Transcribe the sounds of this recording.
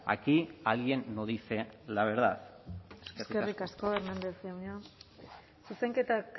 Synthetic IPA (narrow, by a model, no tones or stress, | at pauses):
a̰kialienːoðiselaβeɾða̰seskesrkerikasko̞eɾmend̪esawɲa | suseŋke̞t̪ak